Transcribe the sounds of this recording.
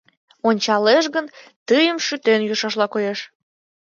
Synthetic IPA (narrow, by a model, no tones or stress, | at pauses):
onʲt͡ɕɑleʃɣənt̪əjəmʃyt̪enjuʃɑʃlɑkojeʃ